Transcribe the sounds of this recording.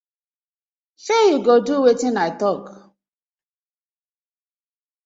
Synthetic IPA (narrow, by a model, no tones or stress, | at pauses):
sejuɡoduwetinaɪtɔk